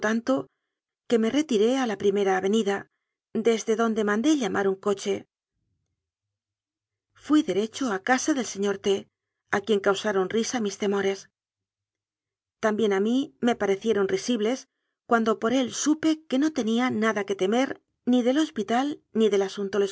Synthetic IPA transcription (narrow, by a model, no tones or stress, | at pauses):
t̪ant̪o̞ | ke̞me̞re̞t̪iɾe̞alapɾime̞ɾaːβe̞niða | d̪e̞zðe̞ðo̞nd̪e̞mãnd̪e̞ʎamʔaɾuŋko̞t͡ʃe̞ | fwiðe̞ɾe̞t͡ʃo̞akasaðe̞lse̞ɲo̞ɾt̪e̞ | akje̞ŋkawsaɾo̞nrisamist̪e̞mo̞ɾe̞s | t̪ambje̞namime̞paɾe̞θje̞ɾo̞nrisiβle̞s | kwand̪o̞po̞ɾe̞lsupe̞ke̞no̞t̪e̞nianaðake̞t̪e̞me̞ɾ | niðe̞lo̞spit̪alniðe̞lasunt̪ole̞